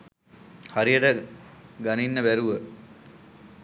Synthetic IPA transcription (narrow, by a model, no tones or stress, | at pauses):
haɾijəʈəɡaninːəbæɾuʋə